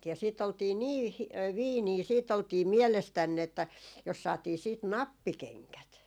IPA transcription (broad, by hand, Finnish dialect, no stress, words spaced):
jɑ siːt oltiː niː hi ʋiːniː siːt oltiː mielestænː etːæ jos sɑːtiː siːt nɑpːikeŋkæt